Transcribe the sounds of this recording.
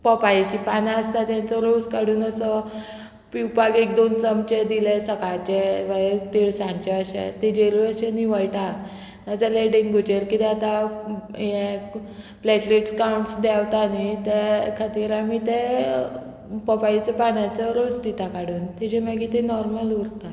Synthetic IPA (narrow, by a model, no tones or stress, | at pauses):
pəpait͡ɕipanaəst̪at̪jãnt͡sɔɾod͡zkaɽuːnəsə | piwpaɡek̚d̪ont͡səmt͡ɕed̪ilɛsəkaɭt͡ɕɛʋət̪iɭsãnt͡ɕɛəɕḛt̪ed͡ʑeluəɕeniʋəjʈa | ad͡zaleɖiŋɡɡʱut͡ɕeɾkit̪ɛat̪a | jẽ | plɛʈleʈskauɳʈsd̪ɛʋt̪anit̪ekʰat̪iːɾamit̪e | pəpait͡səpanjat͡səɾod͡zd̪it̪akaɽuːnt̪ɛd͡ʑeməɡit̪enɔɾməluɾt̪a